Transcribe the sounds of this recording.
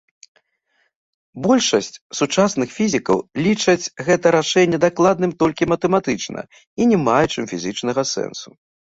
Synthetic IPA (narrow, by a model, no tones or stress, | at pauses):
bɔlʲʂɐsʲt͡sʲsut͡ʂasn̪ɨxfʲizʲikɐ̰wlʲit͡ʂɐt͡sʲɣɛt̪ɐɾaʂɛnʲːɛd̪aklˠad̪nɨmt̪ɔlʲkʲimɐt̪ɛmat̪ɨt͡ʂnɐ̰ | inʲɛmajɛt͡ʂɨmfʲizʲɨt͡ʂnɐɣɐsɛ̰nsu̥